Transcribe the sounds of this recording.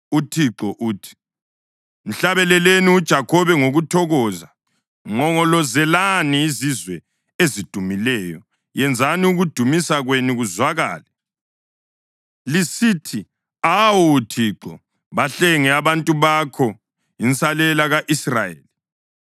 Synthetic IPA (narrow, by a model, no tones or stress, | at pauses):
utʰiǃɔʔuːtʰi̥ | m̩ɬaβɛlɛleniud̥ʒ̥ʱakʰɔβɛŋoɣutʰɔɣɔːza | ŋɔŋɔlɔzɛlaniːzizwɛ | ezid̥ʱumilɛːjɔ | jɛnd͡zʱaniuɣud̥ʱumisaɣweniɣuzwaɣa̰ːlɛ | lisitʰi | awɔːtʰiǃɔ̰ | βaɬɛŋɛaβantʼuβakʰɔ | int͡sʼalɛlaɣaʔisra̰jḛːli